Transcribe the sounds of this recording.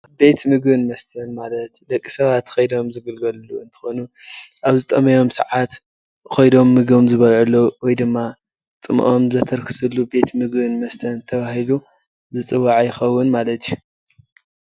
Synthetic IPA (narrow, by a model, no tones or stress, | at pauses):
be̞t̪mɨɡbɨnmɐst̪ʰɐnmalɐt̪d̪ɐkʼːisɐβat̪xɐjd̪o̞mzɨɡɨlɡɐlluɨnt̪ʰɨ̥xonuʔaβzɨt̪ʼɐmɐjo̞msɐ̰ʕat̪ | xojd̪o̞mːɨɡomzɨβɐlʕulːowɔjd̪ɨmːa | t͡sʼɨm̰ʔomzɐt̪ʰɐɾkʰɨ̥sɨlːube̞t̪mɨɡbɨnmɐst̪ʰɐnt̪ʰɐβahilu | zɨt͡sʼɨwːaʕjɪxɐwːʊnmalɐt̪ju